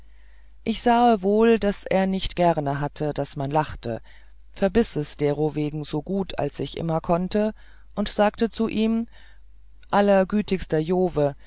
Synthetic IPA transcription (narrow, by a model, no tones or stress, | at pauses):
ʔɪçz̥aːəvoːldasʔeːɐnɪçtɡ̥ɛʁnəɦatʰəd̥asmanlaχtə̰ | fɛɐbɪsɛsd̥eːʁoveːɡŋ̩zoːɡuːtʰa̰lsɪçʔɪ̰mɐkʰɔntə | ʔʊntz̥aːk̚tət͡suʔiːm | ʔalɐɡyːtɪçstɐjoːvə